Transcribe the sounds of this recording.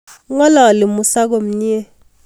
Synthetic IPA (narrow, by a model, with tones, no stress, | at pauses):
ŋɔ˦la˨lɪ˨mu˨sa˦k̬o˨m̩˨ɲi˦e˦